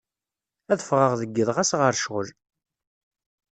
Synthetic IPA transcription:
æðəfʁəʁðəɡːəðˤʁæsʁəɾʃʁəl

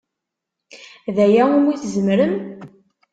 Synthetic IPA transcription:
ðæjæimiθzəmɾəm

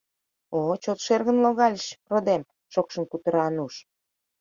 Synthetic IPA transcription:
ot͡ɕot̪ʃerɣənloɣɑlʲəʃrod̪em | ʃokʃənkut̪əɾɑnuʃ

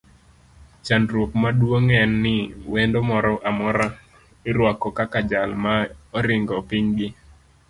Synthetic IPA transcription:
t͡ʃanɾwokmadwoŋɛnːɪwendomɔɾɔʔamɔɾa | ɪɾwakɔkakad͡ʒalmaɔɾɪŋɡɔpiɲɡɪ

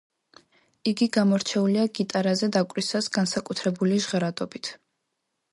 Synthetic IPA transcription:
iɡiɡamɔɾt͡ʃʰɛuliaɡit̪ʼaɾazɛd̪akʼɾisasɡ̥ansakʼut̪ʰɾɛbuliʒʁɾad̪ʼɔbit̪ʰ

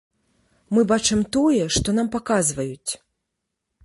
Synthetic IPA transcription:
mɨbat͡ʂɨmt̪ɔjɛʂt̪ɔnampakazvɐjut͡sʲ

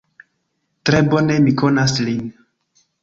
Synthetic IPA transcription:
tɾe̞bo̞ne̞miko̞naslin

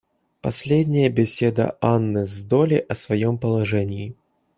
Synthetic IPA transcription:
pɐsʲlʲedʲnʲɪjəbʲɪsʲed̪ə̰anːɨzd̪olʲɪʔɐsvɐjompəlˠɐʐɛnʲɪː

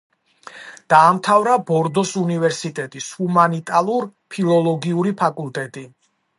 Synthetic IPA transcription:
d̪̥aːmt̪ʰavɾabɔɾd̪ɔsunivɛɾsit̪ʼɛt̪ʼishumanit̪ʼalˠuɾpʰilˠɔlˠɔɡiuɾipʰakʼulˠt̪ʼɛt̪ʼi

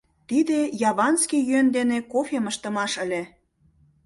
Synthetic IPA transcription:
t̪id̪ejɑβɑnskijyend̪enekofʲeməʃt̪ə̆mɑʃə̆lʲe

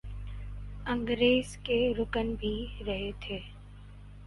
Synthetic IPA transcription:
ə̃ŋɡɾeːzkeɾʊkənbʱiɾəɦet̪ʰeː

